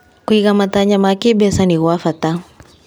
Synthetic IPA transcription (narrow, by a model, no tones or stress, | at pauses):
kuiɣamataɲamakibɛsaniɣwafata